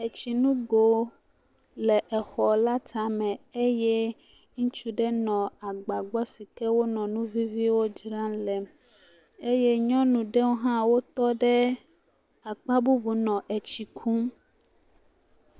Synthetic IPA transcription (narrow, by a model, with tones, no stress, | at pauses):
e˨t͡ɕi˨nũ˦ɡo˨ | lɛ˨ʔɛ˨xɔ˨la˦t̪ʰa˨mɛ̃˨e˦jɛ˦ | ŋũ˦t͡ʃu˦ɖɛ˦nɔ̃˨a˨ɡ͡ba˨ɡ͡bɔ˦si˨kɛ˦wo˦nɔ̃˨nũ˦vi˦vi˦wo˦d͡ʒɾã˦lɛ˨m | e˦je˦ɲɔ̃˦nũ˨ɖɛ˦wo˦ɦã˦wo˦t̪ɔ˦ɖɛ˦ | a˨k͡pa˦bu˦bu˨nɔ̃˨ʔe˨t͡ɕi˨kʰu˦m